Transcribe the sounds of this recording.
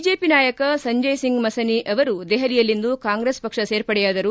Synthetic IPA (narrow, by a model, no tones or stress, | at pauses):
id͡ʒeːpinaːjɐkɐsɐɲd͡ʒɐjsiŋɡmɐsɐniʔɐʋɐɾud̪ɛɦɐlijɐlːind̪ukaːŋɡɾespɐkʂɐseːɾpɐɽɛjaːd̪ɐɾu